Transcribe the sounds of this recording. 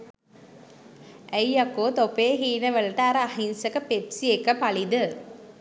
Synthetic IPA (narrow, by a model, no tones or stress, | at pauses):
æjakoːt̪opeːɦiːnəʋəlɐʈəaɾəahinsəkəpepsiekːəpalid̪ə